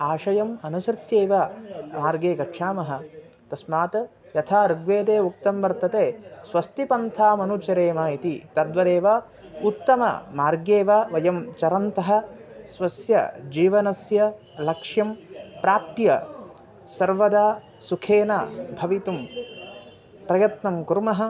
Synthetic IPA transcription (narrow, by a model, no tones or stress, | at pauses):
aːʃɐjɐmɐnusɾt̪jeːʋaːmaːɾɡeːkɐʈʂʰaːmɐɦɐ̆ | t̪ɐsmaːt̪ɐ | jɐt̪ʰaːɾuɡʋeːd̪eːuk̚t̪ɐmʋɐɾt̪ɐt̪eːsʋɐst̪ipɐnt̪ʰaːmɐnut͡ʃɐɾeːmaːit̪it̪ɐd̪ʋɐɾeːʋaː | ut̪ːɐmɐ̰maːɾɡeːʋaːʋɐjɐmt͡ʃɐɾɐnt̪ɐɦɐ̆sʋɐsjɐ̰d͡ʒiːʋɐnɐsjɐ | lɐkʂjɐmpɾaːp̚t̪jɐ | sɐɾʋɐd̪aː | sukʰeːnaːbʱɐʋit̪um | pɾɐjɐt̪nɐmkuɾmɐɦɐ̆